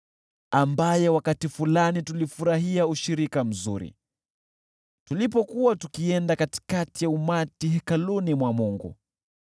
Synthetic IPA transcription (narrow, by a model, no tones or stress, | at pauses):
ambajɛwakatifulanitulifuɾaɦiauʃiɾikam̩zṵɾḭ | tulipɔkuwatukiɛndakati̥katijaumatiɦɛkalunimwamuŋɡṵ